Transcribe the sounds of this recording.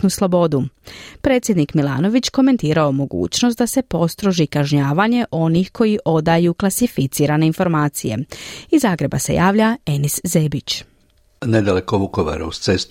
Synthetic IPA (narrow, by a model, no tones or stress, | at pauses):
nuslˠo̞bo̞d̪upɾe̞ːt̪sʲje̞d̪nikmilˠa̰ːno̞ʋit͡ɕko̞me̞nt̪iːɾaomo̞ɡṵːt͡ɕno̞st̪d̪ase̞po̞st̪ɾo̞ʒikaʒɲaːʋaɲe̞ʔo̞nixkʰo̞jiʔo̞d̪ajuklˠasifit̪siːɾane̞info̞ɾmaːt̪sije̞̰izːaːɡɾe̞ba̰se̞̰jʔaːʋʎae̞niszeːbit͡ɕ | ned̪alekoʋukoʋa̰ɾa̰ust̪sest̪